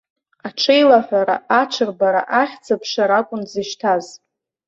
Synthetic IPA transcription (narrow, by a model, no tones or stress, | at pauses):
aʈ͡ʂʰejlaħʷᶣaɾa̰ʔaʈ͡ʂʷʰɨrbaɾa̰ʔaχʲt͡sʰapʰʂaɾakʷʼʊnzɨʃtʰaz